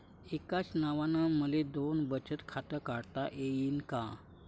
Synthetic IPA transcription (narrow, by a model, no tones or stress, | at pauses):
ekasnaʋanaməled̪onbət͡ɕət̪kʰat̪əkaɽt̪aʔejinkã